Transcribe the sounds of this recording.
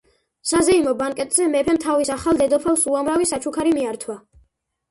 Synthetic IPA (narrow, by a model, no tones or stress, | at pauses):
sazɛimɔbaŋkʼɛt̪ʼzɛmɛpʰɛmt̪ʰavisaχalˠd̪ɛd̪ɔpʰɛlˠsuamɾavisat͡ʃʰukʰaɾimiaɾt̪ʰwa